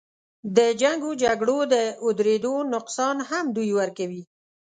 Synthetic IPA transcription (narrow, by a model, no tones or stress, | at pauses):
d̪əd͡ʒaŋɡod͡ʒaɡɽod̪əʊd̪ɾed̪onʊqsɑnhamd̪ujwəɾkawi